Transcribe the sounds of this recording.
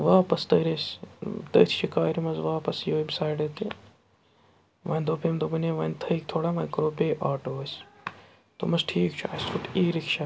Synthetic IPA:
ʋaːpɐst̪ɐːɾest̪ɐ̰ːt̪ʰʃʰikaːɾimɐzʋaːpɐsjoːibsaːjɖɐːt̪e | ʋaːnd̪oːpʰeːmd̪obɐneːʋɐːnt̪ʰɐk̚t̪ʰoːɽaːmɐːnkɐɾoːbeːʔaːʈoːs | t̪o̰mɐsʈʰiːkt͡ʃʰuɐst̪ʰut̪iːɾikʃa

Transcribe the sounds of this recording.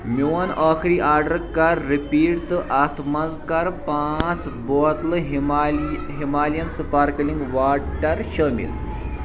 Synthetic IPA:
muwanɔkʰɾiːʔaːɾɖəɾkaɾːipiːɽt̪əʔat̪ʰmɐzkaɾpãt͡sbɔt̪ləɦ | ɦimalijɐnsupaɾkəliŋɡʋaʈəɾɕəmḭl

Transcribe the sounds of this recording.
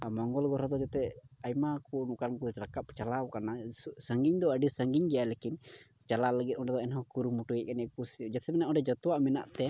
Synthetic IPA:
amɔŋɡɔlɡɔɾɔd̪ɔd͡ʒɛt̪ɛajmakunukankusɾakap̚t͡ʃalawkanasəŋɡiɲd̪ɔəɖisəŋɡiɲɡɛjalekin | t͡ʃalaləɡɛt̪̚ˀɔɖɛd̪ɔɛnɦɔ̃kuɾumuʈujɛʔ̚kanɛkusd͡ʒat̪smɛnaʔɔ̃ɖɛd͡ʒɔt̪waʔmɛna̰ʔt̪ɛ

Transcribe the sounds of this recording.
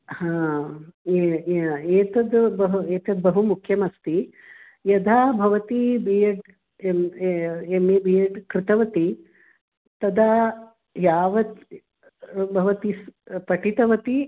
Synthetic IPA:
hãː | eːt̪ɐd̪bɐɦueːt̪ɐd̪̚bɐɦumukʰjɐmɐst̪i | jɐd̪ʱaːbʱɐʋɐt̪ibijɐɖ | em | emibijɐɖkɾɪt̪ɐʋɐt̪i | t̪ɐd̪a | jaːʋɐt̪ | bʱɐʋɐt̪ispɐʈit̪ɐʋɐt̪i

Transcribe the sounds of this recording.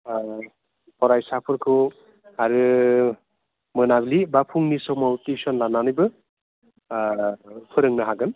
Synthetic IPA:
pɔɾajsapʰɯɾkʰu | aɾɯ | mɯnablibapʰuŋnisɔmawtisɔnlananɯjbɯ | pʰɯɾɯŋnɯɦaɡɯn

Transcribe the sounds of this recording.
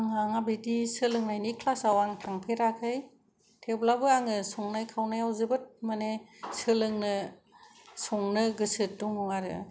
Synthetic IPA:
aŋaŋabidisɯlɯŋnajnikʰlasawaŋtʰaŋpʰeɾakʰɯj | tʰeblabɯaŋɯsɔŋnajkʰawnajawzɯbɯt̚manesɯlɯŋnɯ | sɔŋnɯɡɯsɯt̚dɔŋɔŋaɾɯ̰

